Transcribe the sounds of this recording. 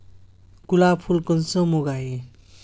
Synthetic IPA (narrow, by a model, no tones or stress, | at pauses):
kulapʰulkʌnsʌmoɡae